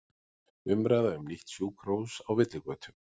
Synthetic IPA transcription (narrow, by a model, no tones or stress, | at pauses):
ʏmɾaːjðaʏmniht̪sjuːkʰɾowsawvɪt̪lɪkœːt̪ʰʏ̥m